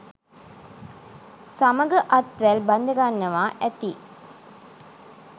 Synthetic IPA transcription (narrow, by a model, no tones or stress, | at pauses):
sɐmɐɡɐʔɐt̪ʋælbɐnd̪ɐɡanːɐʋaːʔɛt̪i